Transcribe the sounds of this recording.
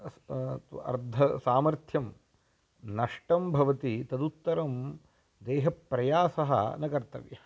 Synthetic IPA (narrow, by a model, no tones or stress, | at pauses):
ɐ̰ɾd̪ʱɐsaːmɐɾt̪ʰjɐm | nɐʂʈɐmbʱɐʋɐt̪it̪ɐd̪ut̪ːɐɾɐm | d̪eːɦɐpːɾɐjaːsɐɦɐ̰nɐkɐɾt̪ɐ̰ʋjɐɐ